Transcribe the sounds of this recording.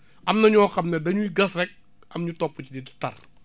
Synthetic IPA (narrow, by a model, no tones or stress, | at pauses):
ʔɐmnɐɲɔːxɐmnɛdɐɲujɡɐsrɛk̚ | ɐmɲutɔpːut͡ʃididitɐr